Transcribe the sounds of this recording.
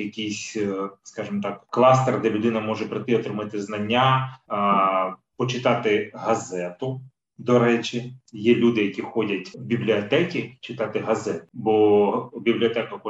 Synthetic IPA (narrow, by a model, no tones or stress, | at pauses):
jɐkʲijsʲskɑʒɪmt̪ɑkklˠɑst̪ɛrd̪ɛlʲʊd̪ɪnɐmɔʒɛpɾɪt̪ɪɔt̪ɾɪmɪt̪ɪznɐnʲːa | pɔt͡ʃɪt̪ɑt̪ɪɦɐzɛt̪ʊ | d̪ɔɾɛt͡ʃʲɪjɛlʲud̪ɪjɐkʲixɔdʲɐtʲbʲiblʲiɔt̪ɛkʲit͡ʃɪt̪ɑt̪ɪɦɐzɛt̪ʊbɔbʲiblʲiɔt̪ɛkɐxɔ